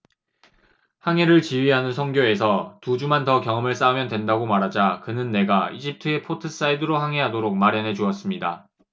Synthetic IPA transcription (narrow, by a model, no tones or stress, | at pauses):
haŋɦe̞ɾɯɭt͡ɕiɥiɦanɯnsʰʌŋɡjoe̞sʰʌtud͡ʑumantʌkjʌŋɯmɯɭs͈aumjʌndwe̞ndaɡomaɾɦad͡ʑakɯnɯnːe̞ɡaid͡ʑip̚tʰɯe̞pʰotʰɯs͈aidɯɾohaŋɦe̞ɦadoɾok̚maɾjʌnɦe̞d͡ʑuʌs͈ɯmɲida